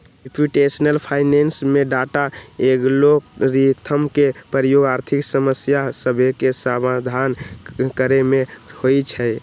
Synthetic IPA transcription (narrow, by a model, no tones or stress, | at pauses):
ɾepjuʈesənəlpʰaɪnensmeɖaʈaeɡloɾit̪ʰəmkepəɾəjoɡaɾt̪ʰiksəməsjasəbʱekesamad̪ʱankəɾemehojt͡ʃʰɛ